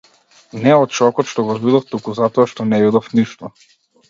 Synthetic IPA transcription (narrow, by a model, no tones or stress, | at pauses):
nɛɔt̪ʃɔkɔt̪ʃt̪ɔɡɔvid̪ɔft̪ukuzat̪ɔaʃt̪ɔnɛid̪ɔfniʃt̪ɔ